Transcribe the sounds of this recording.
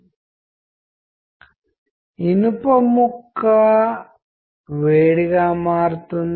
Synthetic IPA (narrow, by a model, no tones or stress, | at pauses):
inupɐmukːa | ʋeːɽiɡaːmaːɾut̪un